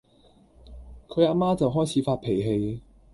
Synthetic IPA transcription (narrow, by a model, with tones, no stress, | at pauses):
kʰɵ˨˧jaː˧˥maː˥t͡sɐ˨wɦɔː˥jt͡sʰiː˨˧faː˧t̚pʰe˨˩jɦe˧j